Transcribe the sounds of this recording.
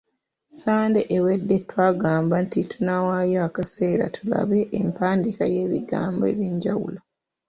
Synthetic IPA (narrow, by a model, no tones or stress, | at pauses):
saːnde̞ʔewe̞dːe̞tːwaːɡaːmbantitʰunawajaakase̞ːɾa̰tʰula̰βe̞ʔːmpaːndikaje̞ːβiɡa̰ːmboe̞̰βjeːɲɟawṵlo